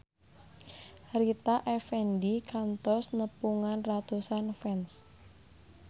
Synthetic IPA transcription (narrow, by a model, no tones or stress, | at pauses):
ɾit̪aʔɛfɛndikʰant̪ɔsnəpuŋanrat̪usanfɛns